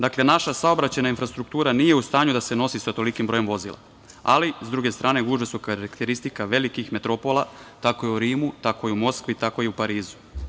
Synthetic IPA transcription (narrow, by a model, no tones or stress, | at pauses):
d̪aklenaʃasaobɾat͡ɕajnainfɾast̪ɾuk̚t̪uːɾanije̞ust̪aːɲud̪ase̞no̞sisat̪o̞likimbɾo̞je̞mʋo̞zḭːlˠa̰ | alizd̪ɾuɡe̞st̪ɾaːne̞ɡuːʒesukaɾakt̪e̞ɾist̪ikaʋe̞likixme̞t̪ɾo̞po̞lat̪ako̞iuɾiːmut̪ako̞iumo̞skʋit̪ako̞iupaɾiːzu̥